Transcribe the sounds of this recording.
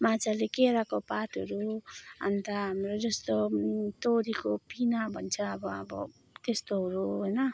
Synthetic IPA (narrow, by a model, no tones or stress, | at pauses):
mat͡sʰalekeɾakopat̪ʌɾuʌ̰nt̪aɦamrod͡zʌst̪ot̪oɾikopinabʱʌnt͡sʰʌʌbʌʌbʌ̰ | t̪est̪oɦʌɾuɦojnʌ